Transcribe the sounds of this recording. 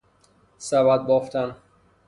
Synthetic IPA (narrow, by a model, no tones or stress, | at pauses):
sævæd̪̚bɒːft̪ʰæn